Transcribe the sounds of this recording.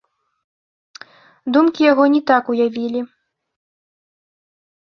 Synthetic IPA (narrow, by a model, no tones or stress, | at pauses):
d̪umkʲijaɣɔnʲit̪akujavʲilʲi